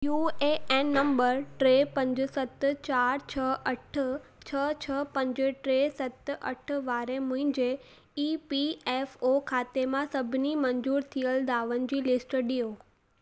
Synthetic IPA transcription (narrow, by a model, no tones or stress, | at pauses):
jueeːnːɐ̃mbəɾʈɾeːpɐ̃ɲd͡ʑʊ̆sɐt̪t͡ɕaːɾt͡ɕʰəɐʈʰt͡ɕʰət͡ɕʰəpɐ̃ɲd͡ʑɪʈɾeːsɐt̪ʔɐ̰ʈʰʋaːɾemʊ̃ɦɪ̃ɲd͡ʑe | iːpieːfokʰaːt̪emãsɐbʱɪnimɐɲzuːɾt̪ʰijəld̪aːʋənɪ̆d͡ʑiːlɪsʈɗijoː